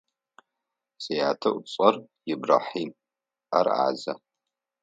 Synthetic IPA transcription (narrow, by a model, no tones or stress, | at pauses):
sejaːtʰɐʔʷʊt͡sʼɐr | jɪbra̰ːħiːm | ɐ̰ra̰ːzɐ̰